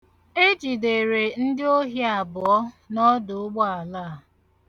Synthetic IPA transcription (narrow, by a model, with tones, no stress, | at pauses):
e˦d͡ʒi˨de˨ɾe˨n̩˦dɪ˦o˦ɦi˦a˨bʊ˨ɔ˦ | nɔ˦dʊ˨ʊ˦ɡ͡bɔ˦a˨la˦˨